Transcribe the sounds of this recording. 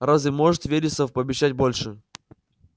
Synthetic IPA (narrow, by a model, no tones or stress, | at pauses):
razɪmoʐɨt̪vʲeɾʲɪsəfpəːbʲɪɕːæt̚ʲbolʲʂɨ